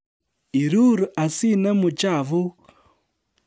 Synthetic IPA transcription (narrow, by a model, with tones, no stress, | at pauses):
i˨ɾu˦ɾu˨ʔa˨si˦na˦mu˨t͡ʃa˨vu˦